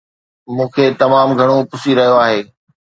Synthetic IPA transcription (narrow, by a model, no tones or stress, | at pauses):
mũːkʰeːt̪ɐmaːmɡʱɐɽ̃opʊsiɾɐɦijoaːɦeː